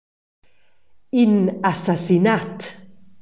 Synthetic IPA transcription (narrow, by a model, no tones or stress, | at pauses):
inasasinat̪